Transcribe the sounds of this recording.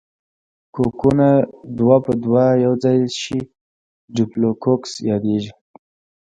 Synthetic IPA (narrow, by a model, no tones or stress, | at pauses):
kokunad̪wapəd̪wajawd͡zɑjʃi | ɖiplokoksjɑd̪eʒi